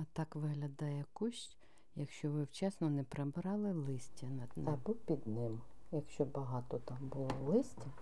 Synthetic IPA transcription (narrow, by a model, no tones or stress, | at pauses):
ɐt̪ɑkʋɪɦlʲɐd̪ɑjɛkuʃt͡ʃʲ | jɐkʃt͡ʃɔʋɪwt͡ʃɛsnɔnɛpɾɐbɾɑlˠɪlˠɪsʲtʲɐnɐd̪nbuwpʲid̪nɪmjɐkʃt͡ʃɔbɐɦɑt̪ɔt̪ɑmbʊlˠɔlˠɪsʲtʲi